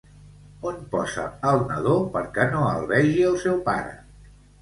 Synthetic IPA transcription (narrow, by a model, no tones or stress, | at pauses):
onpɔzə̰əlˠnəðopəɾkɛnoəlˠβɛʒiəlˠsɛwpa̰ɾə̰